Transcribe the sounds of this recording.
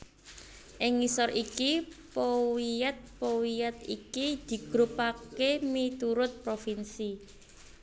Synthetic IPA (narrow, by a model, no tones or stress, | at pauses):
ʔɪŋːisɔrʔikipowijɛt̪̚powijɛt̪ikid̪̥i̤ɡ̥ɾʊpakemit̪uɾʊt̪̚pɾofinsi